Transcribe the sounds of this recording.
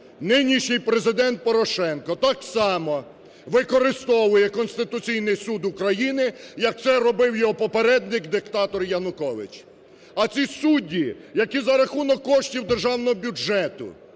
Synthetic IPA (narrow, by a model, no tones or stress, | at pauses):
nɪnʲiʃnʲɪjpɾezɪd̪ɛnt̪̚pɔɾɔʃɛnkɔt̪ɑksɑmɔ | ʋɪkɔɾɪst̪ɔʋʊjɛkɔnsʲt̪ɪt̪ʊt͡sʲijnɪjsud̪ʊkɾɐjinɪjɐk̚t̪sɛɾɔbɪwjɔɦɔpɔpeɾɛd̪nɪkd̪ɪkt̪ɑt̪ɔrjɐnʊkɔʋɪ̰t͡ʃ | ɐt͡sʲisudʲːijɐkʲizɐɾɐxunɔkːɔʃtʲiwd̪erʒɑwnɔɦɔbʲud͡ʒɛt̪ʊ̰